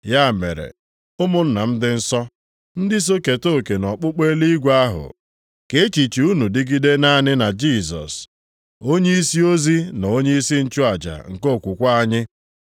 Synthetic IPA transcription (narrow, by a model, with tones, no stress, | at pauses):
ja˦˨mḛ˨ɾḛ˨ | ʊ˦mʊ˦n̩˦na˨m̩˦dɪ˦n̩˦sɔ˦ | n̩˦dɪ˦s̬o˦ke˨to˦˨ke˨nɔ˨k͡pʊ˦k͡pe˦li˦ɡʷa˦ɦʊ̰˨ | ke˦e˦t͡ʃi˨t͡ʃi˨u˦nu˨dɪ˦ɡi˦de˦na˦nɪ˦na˨d͡ʒi˦˨s̬ɔ̰˨s | o˦ɲe˦i˦si˦o˦zi˦n˨o˦ɲe˦i˦si˦n̩˦t͡ʃu˦a˨d͡ʒa̰˨ŋ̩˨ko˦˨kʷu˨kʷa˦a˦ɲɪ˦